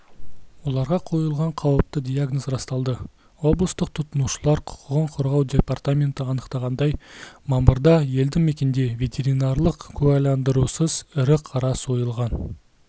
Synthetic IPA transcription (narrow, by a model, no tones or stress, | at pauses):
wo̞lˠɑɾʁɑqʰo̞jəlˠʁɑɴqʰɑwəp̚t̪əd̪ʲijaɡnozrɑst̪ɑlˠd̪ə | wo̞blˠəst̪əq̚t̪ʰʊt̪ənuʃəlˠɑɾqʰʊ̥qəʁəɴqʰʊɾʁɑwd̪ʲe̞part̪amʲe̞nt̪əɑnəqt̪ɑʁɑnd̪ɑjmɑməɾd̪ɑje̞ld̪ɪŋme̞kʲe̞nd̪e̞vʲe̞t̪ʲe̞ɾinɑrlˠəqkʲʰʉɑjlɑnd̪əɾusəzɪɾɪqʰɑɾɑso̞jəlˠʁɑn